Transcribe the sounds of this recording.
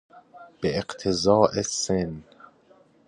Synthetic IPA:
b̥eeqt̪ʰezɒːʔesen

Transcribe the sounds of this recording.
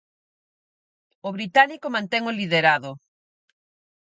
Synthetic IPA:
ʊβɾit̪anikomãnt̪ɛŋoliðeɾaðʊ

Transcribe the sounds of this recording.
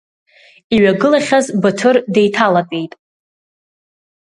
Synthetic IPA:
iɥaɡɨlaχʲazbɨtʰɨrde̞jtʰalakʼejtʼ

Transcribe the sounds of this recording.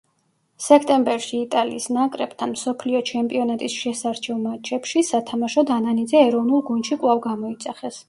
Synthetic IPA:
sɛkʰt̪ʼɛmbɛɾʃiːt̪ʼalḭːsnakʼɾɛpt̪ʰanmsɔpʰliɔt͡ʃʰɛmpʼiɔnat̪ʼisʃɛsaɾt͡ʃʰɛvmat͡ʃʰɛpʃisat̪ʰamaʃɔd̪ananid̪zɛːɾɔvnulˠɡunʃikʼwlˠavɡamɔit̪sʼaχɛs

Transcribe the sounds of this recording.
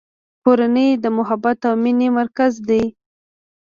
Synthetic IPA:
koɾanəjd̪əmʊɦabat̪awminimaɾkazd̪aj

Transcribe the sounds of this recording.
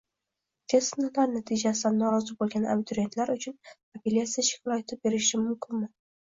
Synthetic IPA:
t̪ʲʰe̞snalaɾnat̪ʰɪd͡ʒasɪd̪anːɒɾɒzɪbolˠɡʲana̰bɪt̪ʰʊɾie̞nt̪laɾʊt͡ʃʰʊn | apʰelʲat̪sijaʃɪ̥klˠɒet̪ʰɪp̚be̞ɾɪʃɪmʊmkʲʰɪnmɪ

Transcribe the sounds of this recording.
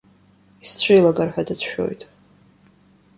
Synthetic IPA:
ist͡sʷʰejlaɡarħʷᶣadat͡sʷʰʃᶣo̰jtʼ

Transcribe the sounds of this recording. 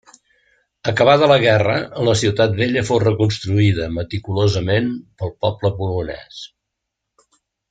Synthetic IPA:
əkəβ̞aðələɣ̞ɛrələsiwt̪at̪̚βeʎəfowrəkunst̪ɾuiðəmət̪ikulozəmenpəlˠpɔbləβulunɛ̰s

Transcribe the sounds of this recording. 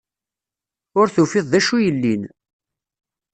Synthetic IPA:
ʊɾθufɪðˤðæʃujəlːin

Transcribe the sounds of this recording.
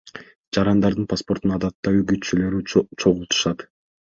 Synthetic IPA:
d͡ʒɑɾɑnd̪ɑɾd̪ɯnpʰaspo̞ɾt̪unɑd̪ɑt̪ːɑyɡyt̪t͡ʃylø̞ɾt͡ʃʰo̞ʁulˠt̪u̥ʃɑt̪

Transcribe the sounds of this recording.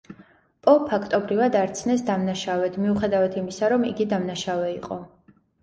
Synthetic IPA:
pʼɔpʰːakʰt̪ʼɔbɾivad̪aɾt̪sʰnɛsd̪amnaʃavɛd̪miuχɛd̪avat̪ʰimisaɾɔmḭɡid̪amnaʃavɛiqʼɔ

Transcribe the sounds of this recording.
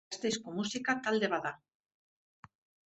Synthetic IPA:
st̪ejskomusikat̪ald̪e̞βaða

